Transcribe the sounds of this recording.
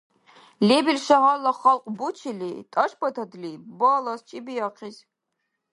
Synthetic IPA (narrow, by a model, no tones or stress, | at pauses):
lebilʃɐɦalɐχɐlqʼbut͡ʃʰilḭtʼɐʃpʰɐtʰɐdlibɐlɐst͡ʃʼibijɐqʰiz